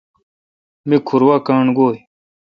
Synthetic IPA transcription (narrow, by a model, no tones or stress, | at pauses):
mikʰuɾwakaːɳɡoːj